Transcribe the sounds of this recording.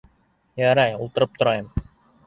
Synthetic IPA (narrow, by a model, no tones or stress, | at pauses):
jæɾæjulˠt̪ɤ̆ɾɤp̚t̪ʰŏɾɑjɤm